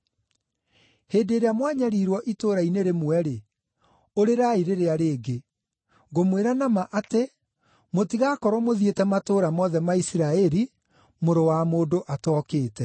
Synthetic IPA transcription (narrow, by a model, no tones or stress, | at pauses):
heːdeːɾeamwaɲaɾiːɾwɔʔitoːɾaineɾemwɛɾe | oɾeɾaːiɾeɾeaɾeːɡe | ɡomweɾanamaʔate | motiɣakɔɾɔmoðietɛmatoːɾamɔðɛmaisiɾaɛɾi | moɾowamoːdoʔatɔkeːtɛ